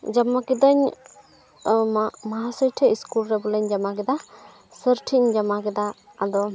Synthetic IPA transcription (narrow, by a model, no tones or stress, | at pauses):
d͡ʒamakid̪aɲ | maɦasəjʈʰɛiskulɾɛbɔlɛɲd͡ʒamakɛd̪a | səɾʈʰiɲd͡ʒamakɛd̪aː | d̪ɔ